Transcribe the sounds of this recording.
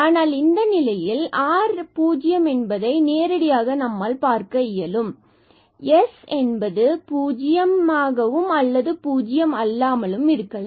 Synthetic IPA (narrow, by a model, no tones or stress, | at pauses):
aːnaːlɪnd̪ɐnɪlɐjɪlaːɾpuːd͡ʒɪjɐmɛnbɐðɐɪneːɾɐɽɪjaːɣɐnɐmːaːlpaːɾkɐɪjɐlɯm | jɛsɛnbɐðɯpuːd͡ʒɪjɐmaːɣɐʋɯmɐlːɐðɯpuːd͡ʒɪjɐmɐlːaːmɐlɯmɪɾɯkːɐɭ